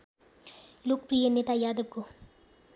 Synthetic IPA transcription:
lukpɾijəneːt̪ajaːd̪əb̚ko

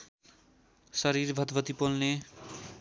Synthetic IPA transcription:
sʌɾiɾbʱʌd̪bʱʌt̪ipolne

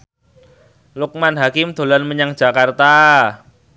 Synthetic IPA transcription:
lʊk̚manɦakɪmd̪̥o̤lanməɲaŋ̥ʒ̥a̤kart̪a

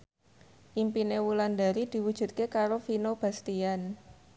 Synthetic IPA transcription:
ʔimpinewuland̪aɾid̪̥i̤wud̥ʒ̥ṳt̪̚kekaɾofinob̥a̤st̪ian

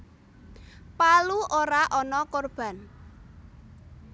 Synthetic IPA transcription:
paluʔoɾaʔɔnɔkorb̥a̤n

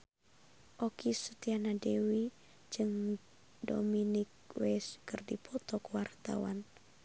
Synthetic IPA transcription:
ʔɔkisət̪ianadɛwi | d͡ʒɨŋ | do̰minik̚ | wɛskɨrdipʰɔt̪ɔkəwart̪a̰wa̰n

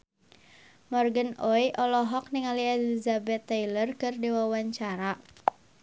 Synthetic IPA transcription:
mɔrɡənojʔɔlɔɦɔk̚niŋaliɛlizabɛt̪ːajlərkɨrdiwawaɲt͡ʃaɾa

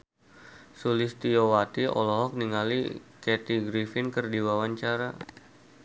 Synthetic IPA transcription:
sulist̪iowat̪iɔ̰lɔɦɔk̚niŋalikɛt̪iɡɾifɪnkərdiwawaɲt͡ʃaɾa

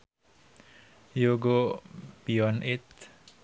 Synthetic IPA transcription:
joɡopiɔnʔɪt̪̚

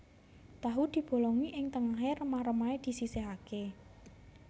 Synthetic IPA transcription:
t̪aɦud̪̥i̤b̥o̤lɔŋiʔɪŋt̪əŋaɦerəmahɾəmaed̪̥i̤siseɦake

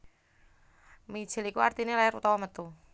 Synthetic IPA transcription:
mi̥ʒ̥ɪ̤likuart̪inelaɪɾṵt̪ɔwɔmət̪u

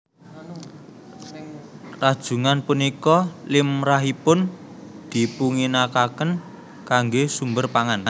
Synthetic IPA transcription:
rad̥ʒ̥ṳŋanpunikɔlɪmraɦipʊn | d̪̥i̤puŋinakakən | kaŋɡesumbərpaŋan

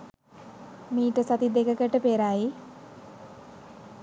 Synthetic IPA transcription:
miːʈəsat̪id̪ekəkəʈəpeːɾaːi

